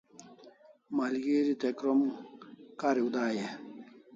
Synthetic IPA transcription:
malɡeɾit̪ekɾom | kaɾiud̪aːje

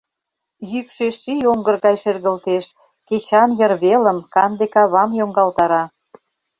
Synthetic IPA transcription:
jykʃeʃːijoŋɡə̆rɣɑjʃerɣə̆lt̪eʃ | ket͡ɕɑnjərβelə̆mkɑnd̪ekɑβɑmjoŋɡɑlt̪ɑɾɑ

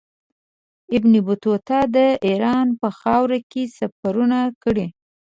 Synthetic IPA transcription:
ɪbnibʊt̪ot̪ɑd̪əiɾɑnpəxɑwɾakesafaɾunakəɽi

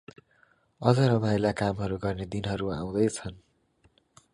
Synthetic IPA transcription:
ʌd͡zʌɾʌbʱajlakamɦʌɾuɡʌrned̪inɦʌɾuaw̃d̪ʌjt͡sʰʌn

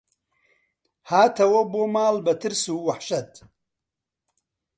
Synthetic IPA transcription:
haːt̪ʰɐwɐboːmaːlbɐt̪ʰɨɾsuːwɐħʃɐt̪

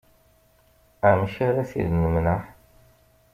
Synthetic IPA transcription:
æmʃaɾæθḭðnəmnəħ

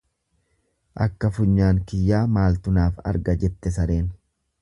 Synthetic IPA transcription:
ʔɐ̰kːɐfʊɲːaːŋkɪjːaːmaːlt̪ʊnaːfɐ̰ɾɡɐd͡ʒɛt̪ːɛs̬ɐɾe̞ːn

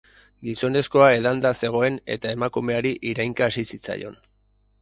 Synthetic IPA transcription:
ɡiso̞ne̞sko̞ae̞ðand̪ase̞ɣ̞o̞e̞ne̞̰t̪ae̞makume̞aɾiʔiɾajŋkaːsisit͡sa̰jo̞̰n

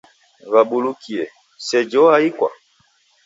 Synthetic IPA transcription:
βaɓulukiɛ | sɛd͡ʒɔaikwa̰

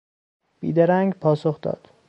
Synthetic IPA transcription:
b̥ḭːd̪eɾæŋɡpʰɒːsoxd̪ɒ̰ːd̪̥

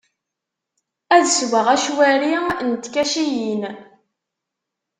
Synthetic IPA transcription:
æðsɡʷəʁæʃwæɾint̪kæʃijin

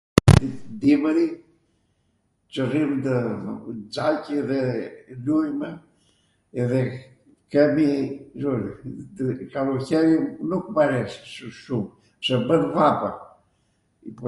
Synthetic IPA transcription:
d̪id̪iməɾi | t͡ʃərimt̪ə | d͡zalcðɛlujmɛ | ɛðɛ | kɛmiʒuɾi | kaluɾçɛɾinukmaɾɛsʃum | sɛbənvapa | ip

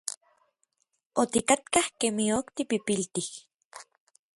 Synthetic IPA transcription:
ot̪ikat̪kahkemiokt̪ipipilt̪ih

